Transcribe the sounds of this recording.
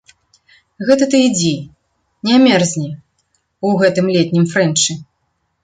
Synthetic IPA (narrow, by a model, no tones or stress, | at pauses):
ɣɛt̪ɐt̪ɨid͡zʲi | nʲɛamʲɛrzʲnʲi | uɣɛt̪ɨmlʲɛt̪ʲnʲimfɾɛnt͡ʂɨ